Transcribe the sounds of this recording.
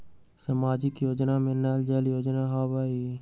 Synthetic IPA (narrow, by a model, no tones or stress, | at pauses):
səmaːd͡ʒɪkjoːd͡ʒnaːmẽnaːld͡ʒaljoːd͡ʒnaːɦaːbaːi